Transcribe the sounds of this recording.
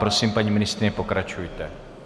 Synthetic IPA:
pɾosiːmpaɲimɪnist̪ɾiɲɛpokɾat͡ʃujt̪ɛ

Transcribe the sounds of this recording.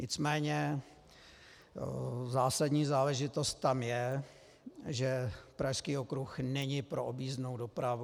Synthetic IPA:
ɲɪt͡smɛːɲɛ | zaːsadɲiːzaːlɛʒɪt̪o̞st̪ːamjɛ | ʒɛpɾʔaʃskiːokɾuxnɛɲɪpɾoʔobiːznowdo̞pɾavu

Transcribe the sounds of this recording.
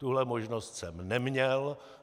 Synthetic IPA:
t̪uɦlɛmoʒnost̪sɛmnɛmɲɛl

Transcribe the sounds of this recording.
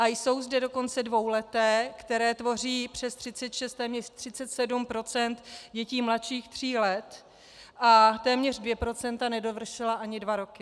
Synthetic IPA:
ʔajso̞wzdɛdo̞ko̞nt͡sɛdvo̞wlɛt̪ɛːkt̪ɛɾɛːt̪vo̞r̝iːpr̝̥ɛst̪r̝̥ɪt͡sɛt̪ʃɛst̪ːɛːmɲɛr̥t̪r̝̥ɪt͡sɛt̪sɛdumpɾo̞t͡sɛnt̪ɟɛciːmlatʃiːxt̪r̝̥iːlɛt̪ | ʔat̪ɛːmɲɛrdvjɛpɾo̞t͡sɛnt̪anɛdovr̩ʃɛlaʔaɲɪdvaɾo̞kɪ

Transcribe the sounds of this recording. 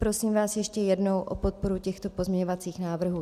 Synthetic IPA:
pɾo̞siːmvaːsjɛʃcɛjɛdno̞wʔo̰po̞t̪̚po̞ɾucɛxt̪o̞po̞zmɲɛɲo̞vat͡siːxnaːvr̩ɦuː

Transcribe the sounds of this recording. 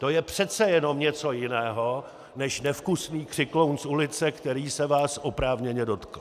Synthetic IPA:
t̪o̞jɛpr̝̥ɛt̪t͡sɛjɛno̞mɲɛt͡so̞jɪnɛːɦo̞ | nɛʃnɛfkusniːkr̝̥ɪklownsulɪt͡sɛkt̪ɛɾiːsɛvaːsʔo̞pɾaːvɲɛɲɛdo̞t̪kl̩

